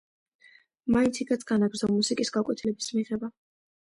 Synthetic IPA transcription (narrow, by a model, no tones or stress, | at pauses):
maint̪sʰikʰat̪sɡanaɡɾdzɔmmusikʼisɡakʼwɛt̪ʰilɛbismiʁɛba